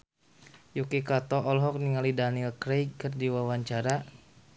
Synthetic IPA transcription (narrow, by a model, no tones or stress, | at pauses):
jukikat̪ɔʔɔlɦɔk̚niŋalidanilkɾejkərdiwawaɲt͡ʃaɾa